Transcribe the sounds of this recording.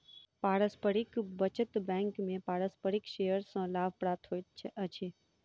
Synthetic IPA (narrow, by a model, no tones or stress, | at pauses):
paɾəspəɾikbət͡ʃət̪bɛ̃ŋkmẽpaɽəspəɾikʃejəɾsə̃labpɾat̪ʰɦoj̪t͡ʃʰeʔət͡ʃʰe